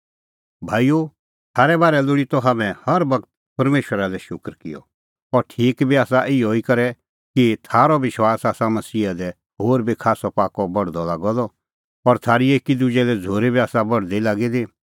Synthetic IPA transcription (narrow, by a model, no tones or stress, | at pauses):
bʱaːijo | t̪ʰaːɾɛbaːɾɛlʊɽit̪ɔɦaːmɛ̃hɐɾbɐkt̪ | pɐɾmeːʃwəɾad̪ɛʃʊkɾkɪ̰jɔ̰ | ɔɾʈʰiːkbʱiaːsaʔɪoikɐɾɛ | kit̪ʰaːɾɔʋɪʃwaːsaːsamɐsiːad̪ɛ | ɦoːɾbikʰaːsɔpaːkɔbɐɽ̤d̪ɔlaːɡɔd̪ɔ | ɔɾt̪ʰaːɾieːkid̪ʊd͡ʒɛlɛd͡zʱoːɾebiaːsabɐɽd̪ilaːɡid̪i